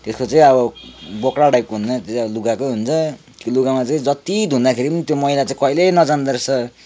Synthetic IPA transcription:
t̪eskot͡saĩʌbʌbokɽaɽajp̚koɦunt͡sʌt̪ʌbʌluɡakoɦunt͡sʰʌ | kiluɡamat͡saĩd͡zʌt̪id̪ʱũnd̪akʰeɾipʌnit̪jomʌjlat͡saĩkʌilenʌd͡zand̪ʌrt͡sʰʌ

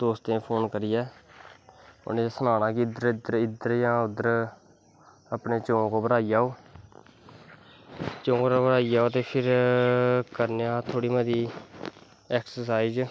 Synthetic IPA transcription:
d̪oːst̪ẽːpʰoːnkəɾɪjɛː | ʊ̰nẽsənaːnãːkiɪd̪əɾɪd̪əɾɪd̪əɾjãːʊd̪əɾ | əpɳeːt͡ʃõːkoːbəɾaːijaːoː | t͡ʃõːkoɾabəɽaːiaːoːt̪eːpʰɪɾ | kəɾneãːt̪ʰoːɽiːməd̪iː | ɛːksəsaːiz

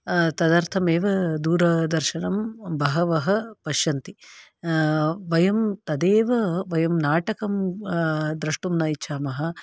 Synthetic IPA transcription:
t̪ɐd̪ɐɾt̪ʰɐmeːʋɐd̪uːɾɐd̪ɐɾʃɐɳɐmbɐɦɐʋɐɦɐpɐʃjɐnt̪i | ʋɐjɐmt̪ɐd̪eːʋɐʋɐjɐmnaːʈɐkɐm | d̪ɾɐʂʈumnɐːjiːt͡ʃʰaːmɐɦɐ̆

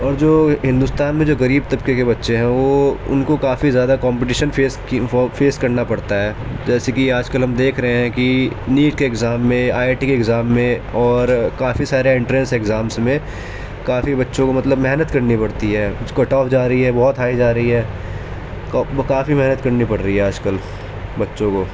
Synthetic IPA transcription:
ɔːɾd͡ʒoːɦɪ̃nd̪ʊst̪aːnmẽd͡ʒoːɣɐɾiːb̚t̪ɐbkekebɐtːʃeɦɛ̃ʋoʊ̰nkokaːfizjaːd̪akɔ̃ːmpɪʈ̬iːʃənfeːs | feːskɐɾnapɐɽt̪aɦɛː | d͡ʒɛːsekiaːd͡ʒkəlɦɐmd̪eːkʰɾɐɦẽɦɛ̃kiniːʈ̚keːɡzaːmːẽaːeːʈikeːɡzaːmːẽɔːɾkaːfisaːɾeɪ̃ɳʈɾɛ̃nseɡzaːmsmẽ | kaːfibɐtːʃõkomɐt̪ləbmɛɦnət̪kɐɾnipɐɽt̪iɦɛːskɐʈɔːfd͡ʒaːɾɐɦiɦɛbɔɦɔt̪ɦaːid͡ʒaːɾɐɦiɦɛː | kːkaːfimɛɦnət̪kɐɾnipɐɽɾɐɦiɦɛaːd͡ʒkəl | bɐtːʃõkoː

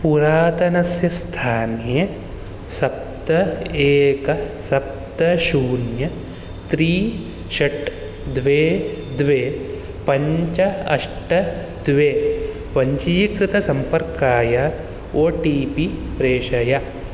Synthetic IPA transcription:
puɾaːt̪ɐnɐsjɐst̪ʰaːnjɐ | sɐp̚t̪ɐeːkɐsɐp̚t̪ɐʃuːnjɐ | t̪ɾiː | ʃɐʈ | d̪ʋeːd̪ʋeː | pɐɲt͡ʃɐɐ̰ʂʈɐ | d̪ʋeː | pɐɲt͡ʃiːkɾɪt̪ɐsɐmpɐɾkaːjɐ | oːʈiːpipɾeːʃɐjɐ

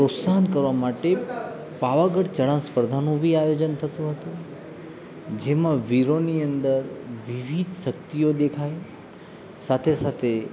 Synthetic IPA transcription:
pɾot̪saɦnkəɾʋamaʈe | paʋaɡəɽt͡ʃəɽãnspəɾd̪ʱanũbʱiajod͡ʒənt̪ʰət̪ũɦət̪ũ | d͡ʒemãʋiɾoniənd̪əɾʋiʋʱid̪ʱʃək̚t̪ijod̪ekʰaj | sat̪ʰesat̪ʰe

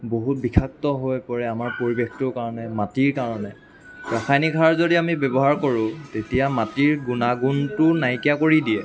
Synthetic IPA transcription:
boɦut̚bikʰak̚tɔɦojpɔɹɛamaɹpoɹibextʊkaɹɔnɛmatiɹkaɹɔnɛ | ɹaxʰajnikʰaɹzodiamibɛbɔɦaɹkoɹʊ̃tetijamatiɹɡunaɡuntʊnajkijakoɹidiɛ

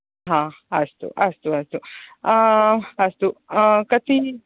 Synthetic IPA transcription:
ɦãɐst̪ṵʔɐst̪uɐst̪u | ɐst̪ukɐt̪ʰi

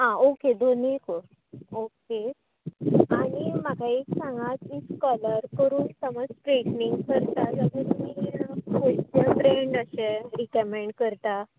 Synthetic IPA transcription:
ɦãoked̪ʱoniko | oke | aɽimakʰaeksãŋɡat̪it͡skɔləɾkəɾuːnsəməd͡zpɾekniŋɡkəɾt̪aləɡəmikʰojt͡ɕafɾeɳɖəɕeɾikəmeɳɖkəɾt̪a

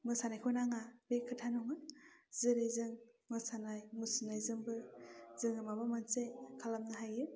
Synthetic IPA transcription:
mɯsanajkʰɔnaŋabekʰɯtʰanɔŋɯzɯɾɯjzɯŋmɯsanajmɯsɯnajzɯŋbɯzɯŋɯmabamansekʰalamnɯɦajɯ

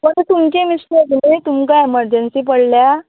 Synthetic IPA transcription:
məɾt̪t̪umt͡ɕẽmislek̪nit̪umkaeməɾd͡ʑənsiːpəɽlja

